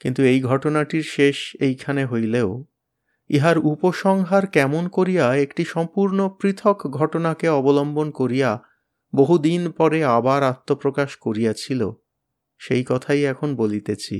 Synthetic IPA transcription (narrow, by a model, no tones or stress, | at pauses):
kint̪uejɡʱɔʈonaʈiɾʃeʃejkʰaneɦojleo | iɦaɾupoʃɔŋɦaɾkɛmonkoɾijaekʈiʃɔmpuɾnopɾit̪ʰokɡʱɔʈonakeɔbolombonkoɾija | boɦud̪inpɔɾeabaɾat̪ːopɾokaʃkoɾijat͡ɕʰilo̰ | ʃejkɔt̪ʰajɛkʰonbolit̪et͡ɕʰḭ